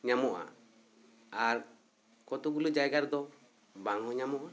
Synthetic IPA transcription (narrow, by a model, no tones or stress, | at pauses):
ɲamɔʔa̰ | aɾ | kɔt̪uɡulud͡ʒajɡaɾd̪ɔ | baŋɔɲamɔʔa